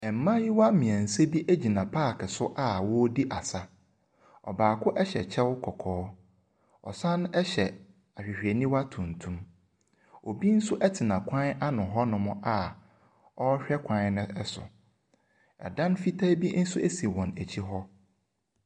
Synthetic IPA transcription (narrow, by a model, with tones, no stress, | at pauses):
ɛ˨m̩˨mã˦ji˦wa˦mĩ˨æ̃˨n̩˨se˦bi˦ʔæ˦d͡ʑi˨nã˨pʰaː˦˨kʰɪ˨sʊ˦ʔa˦wɔ˦di˦ʔa˨sa˦ | ɔ̰˨baː˨kʰʊ˦ʔɛ˦ɕɛ˨t͡ɕʰɛ˦wʊ˦kʰɔ˨kʰɔː˦ | ɔ̰˨sã˦n˦ɛ˦ɕɛ˨ | a˨ɕᶣɪ˨ɕᶣi˨ɛ˨nĩ˦wa˦tʰũ˨n˨tʰũ˦m | o˨bi˦n̩˦sʊ˦ʔɛ˦tʰɪ˨nã˨kʷʰã˦na˦nʊ̃˨ɦɔ˦nʊ̃˨mʊ̃˦ʔa˦ | ɔ˦ɕᶣɛ˦kʷʰã˦n˦nɪ̃˦ɛ˦sʊ̰˨ | ɛ̰˨dã˦nfi˦tʰa˦bi˦n̩˦sʊ˦ʔæ˦si˨wɔ̃˨næ˨t͡ɕʰi˦ɦɔ˦